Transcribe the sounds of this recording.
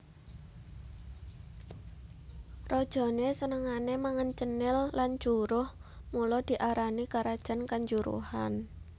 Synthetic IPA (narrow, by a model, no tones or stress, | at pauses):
rɔd̥ʒ̥ɔ̤nesənəŋanemaŋənt͡ʃənɪlːant͡ʃuɾʊh | mulɔd̪̥i̤ʔaɾanikaɾad̥ʒ̥a̤nkaɲd͡ʒuɾṵha̰n